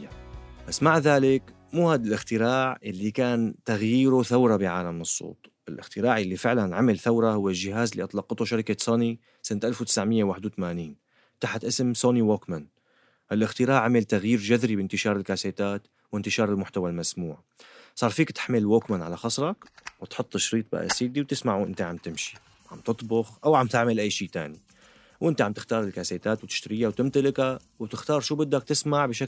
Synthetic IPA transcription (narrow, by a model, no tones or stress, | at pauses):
basːmaʕðaːlɪk | muːhaːd̪alʔɪxt̪ɪɾaːʕʔɪlːikaːnt̪aɣjiːɾuθawɾˤɑbɪʕaːlamːnɨsˤːo̰ːt̪ˤʔɪlʔɪ̰xt̪ɪɾaːʕjalːifɪʕlanʕamɪlθawɾˤɑhʊwːɪlʒɪɦaːzɪlːiːʔɑt̪ˤlɑqːɑt̪uʃaɾɪkasoːni | sɪnt̪ʔalfwt̪ɪ̥sʕmɪjːawaːħɪd̪wt̪amaːniːn | t̪aħt̪ʔɪsmsoːniwoːkman | ʔɪlʔɪxt̪ɪɾaːʕamɪlt̪aɣjiːɾd͡ʒaðɾibɪnt̪ɪʃɑːɾˤɪlkaːseːt̪aːt̪ | wɪnt̪ɪʃɑːɾˤɪlmʊħt̪awalmasmuːʕ | sˤɑːɾˤfiːkt̪ɪ̥ħmɪlwoːkmanʕalaxɑsˤɾˤɑkwt̪ħʊt̪ˤːʃɾiːt̪̚ˤba̰ʔa̰siːd̪iwt̪ɪsmaʕwʔɪ̰nt̪aʕamt̪ɪmʃi̥ | ʕamt̪ɨt̪ˤbʊxʔawʕamt̪ɪʕmɪlʔajːʃiːt̪a̰ːni | wʔɪnt̪aʕambt̪ɪ̥xt̪ɑːɾˤɪlkaːseːt̪aːt̪wt̪ɪ̥ʃt̪ɾiːjawt̪ɪmt̪ɪlɪka | wt̪ɪxt̪ɑːɾˤʃuːbɪd̪ːak̚t̪ɪsmaʕbɪʃa